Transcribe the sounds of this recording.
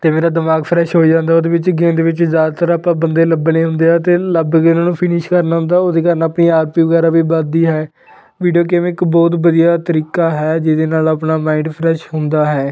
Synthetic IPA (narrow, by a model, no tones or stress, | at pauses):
t̪eːmeːɾaːd̪ɪmaːɡpʰɾɛːʃɦoːiːd͡ʒãːnd̪aːoːd̪eːʋɪt͡ʃɡẽːd̪eːʋɪt͡ʃzjaːd̪aːt̪əɾaːpãːbənd̪eːləbnẽːɦʊnd̪eːɛːt̪eːləbɡeːnãːnũːpʰɪnɪʃkəɾnaːɦʊ̃nd̪aːoːd̪eːkaːɾənaːpniːaːɾpiːʋəɡɛːɾaːbiːbəd̪iːɦɛː | ʋiːɖijoːkɛːmɪkbɔːt̪bəd̪ijaːt̪əɾiːkaːɦɛːd͡ʒɪd̪eːnaːlaːpnaːmãːɪɳɖpʰɾɛːʃɦʊnd̪aːɦɛː